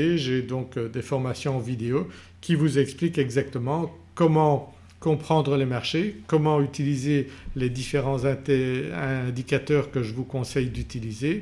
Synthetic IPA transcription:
eʒed̪ɔ̃kd̪efɔʁmasjɔ̃vid̪eo | kʲivuzɛksplikɛɡzak̚t̪əmɑ̃ | kɔmɑ̃ | kɔ̃pχɑ̃d̪ʁəlemaʁʃekɔmɑ̃yt̪ilizeled̪ifeʁɑ̃zɛ̃t̪ɛ̃d̪ikat̪œːʁkəʒəvukɔ̃sɛjd̪yt̪ilize

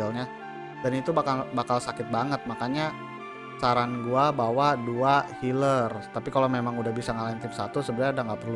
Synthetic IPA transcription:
alɲa | danit̪ubakalbakalsakɪt̪̚baŋət̪̚makaɲa | saɾanɡuabawaduahilərt̪apikalomemaŋudahbisaŋalaɪnt̪ɪmsat̪usəbədaudaŋɡapɾi

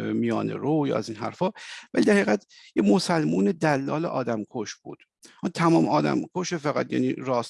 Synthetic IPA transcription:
mijɒ̰ːnḛɾojɒ̰ːæziːnɦæ̰ɾfɒːvæliːd̪æɾhæːɣæd̪jemo̞sælmuːne̞d̪ælːɒːlḛʔɒːd̪æmkʰoʃbṵːd̪̥ | hɑnt̪ʰæmɒːmɒːd̪æ̰mkʰoʃefæɣæ̰t̪jæ̰ːniːɾɒːs

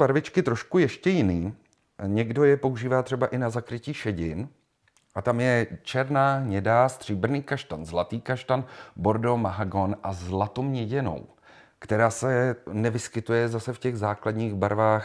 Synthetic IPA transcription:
baɾvɪt͡ʃkɪt̪ɾoʃkujɛʃcɛjɪniː | ɲɛɡdo̞jɛpo̞uʒiːvaːt̪r̥ɛbaʔɪnazakɾɪciːʃɛɟɪn | ʔat̪amjɛt͡ʃɛɾnaːɲɛdast̪r̥iːbr̩niːkaʃt̪anzlat̪iːkaʃt̪anbo̞ɾdomaɦaɡo̞nʔazlat̪owmɲɛɟɛno̞̰w | kt̪ɛɾaːsɛnɛvɪskɪt̪ujɛzasɛfcɛɣzaːkladɲiːɣbaɾvaːx

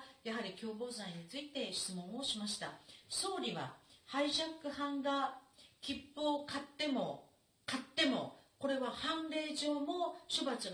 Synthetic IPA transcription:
jaɦaɾʲikʲo̞ːbo̞ːzãĩɲ̟it͡sɨit̪e̞ɕi̥t͡sɨmõ̞ɰ̃o̞ɕimaɕi̥t̪aso̞ːɾʲiβa̰haiʑakːɯ̟hãŋɡakʲipːo̞ːkat̪ːe̞mo̞ | kat̪ːe̞mo̞̰ko̞ɾe̞βahãnɾe̞ːʑo̞ːmo̞ɕobat͡sɨ

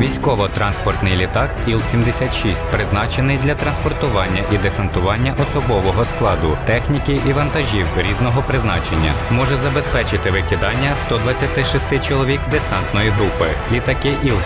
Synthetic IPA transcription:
ʋʲijsʲkɔʋɔt̪ɾɑnspɔrt̪nɪjlʲit̪ɑkilˠsʲimd̪esʲat̪ʃisʲtʲpɾɪznɑt͡ʃenɪjd̪lʲɐt̪ɾɐnspɔrt̪ʊʋɑnʲːɐʔid̪esɐnt̪ʊʋɑnʲːɐʔɔsɔbɔʋɔɦɔsklˠɑd̪ʊt̪ɛxnʲikiiʋɐnt̪ɐʒʲiwɾʲiznɔɦɔpɾɪznɑ̰t͡ʃenʲːɐ̰mɔʒɛzɐbespɛt͡ʃɪt̪ɪʋɪkʲɪd̪ɑnʲːɐst̪ɔd̪ʋɐt͡sʲːɐt̪ɪʃist̪ɪt͡ʃɔlˠɔʋʲikd̪esɑnt̪nɔjiɦɾupɪlʲit̪ɐkɪʔilˠ

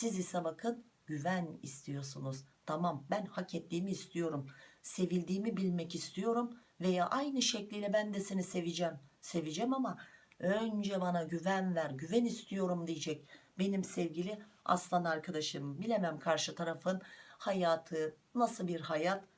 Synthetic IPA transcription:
sizisɛbakʰɯn | ɟyvænḭst̪ʰijo̞ɾsunuz̥t̪ʰamambænhacʰɛt̪lʲiːmiːst̪ʰijo̞ɾumse̞vilʲd̪iːmibilʲmɛcist̪ʰijo̞ɾum | ve̞jaʔajnɯʃɛclʲilʲɛbænd̪ɛsinisevid͡ʒɛmse̞vid͡ʒɛmamaønd͡ʒɛbanaɟyvænvæɾɟyvɛnist̪ʰijo̞ɾumd̪ijɛd͡ʒɛc̚be̞nimsɛvɟilʲia̰slˠanaɾkʰad̪aʃɯmbilʲemæmkʰaɾʃɯt̪ʰaɾafɯnhajaːt̪ʰɯnasɯbiɾhajat̪

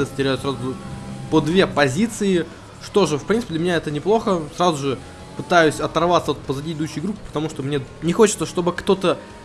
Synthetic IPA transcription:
ɛstʲɪɾʲæjʊt̪sɾazʊpəd̪vʲe̞pɐzʲit̪sɨɪ | ʂt̪o̞ʐɨfpɾʲinɨ̥pʲd̪lʲəmʲɪnʲaɛt̪ənʲɪplˠo̞xəsɾazʊʐɨ | pɨt̪ajʉsʲɐt̪ɐrvat̪səvot̪pəzɐdʲiɪd̪uɕːɪjɡɾupʲːɪ̥pə̥t̪ɐmuʂt̪omnʲenʲɪxot͡ɕɪt̪səʂt̪o̞bɨkt̪o̞t̪ə

